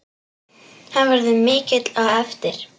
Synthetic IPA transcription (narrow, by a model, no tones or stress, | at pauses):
havɛɾðʏmɪːcɪt̪laɛft̪ɪɾ̥